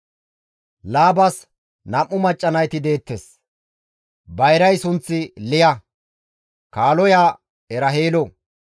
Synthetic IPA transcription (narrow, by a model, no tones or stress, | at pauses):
laːbɐs | nɐmːʊmɐt͡ʃʼːɐnɐjt̪ɪd̪e̞ːt̪ːes | bɐjɾɐjsʊnt͡sːɪlɪjɐ | kaːlɔjaː | ɛɾɐɦeːlɔ